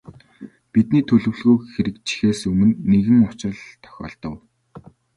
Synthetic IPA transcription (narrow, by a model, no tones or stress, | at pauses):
pit̪niːt̪ʰɵɮɵ̆wɮɣuːxeɾɘ̆k̚t͡ɕʰi̥xeːsɵmɵ̆nːeɣɘ̆ŋʊt͡ɕə̆ɮt̪ʰœ̥xʲɔ̰ːɮt̪ɞ̆w